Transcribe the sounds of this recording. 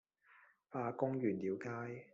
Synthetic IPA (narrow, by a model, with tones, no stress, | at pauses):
faː˧kʊ˥ŋjyː˨˩nliː˨˥wkaː˥j